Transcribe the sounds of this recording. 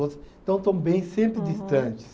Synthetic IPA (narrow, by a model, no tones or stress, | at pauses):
oɐst̪ɐ̃w̃t̪ɐ̃w̃bẽj̃sẽmpɾɪd̪ist̪ɐ̃t͡ʃɪ̥s